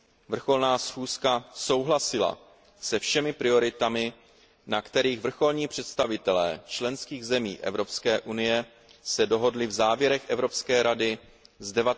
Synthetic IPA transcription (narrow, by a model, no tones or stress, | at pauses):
vr̩xo̞lnaːsxuːskaso̞wɦlasɪla̰ | sɛfʃɛmɪpɾɪo̞ɾɪt̪amɪ | nakt̪ɛɾiːɣvr̩xo̞lɲiːpr̥ɛt̪st̪avɪt̪ɛlɛ̰ːt͡ʃlɛnskiːɣzɛmḭːʔɛ̰vɾo̞pskɛːʔunɪjɛ | sɛdo̞ɦo̞dlɪvzaːvjɛɾɛxʔɛvɾo̞pskɛːɾadɪ | zdɛvat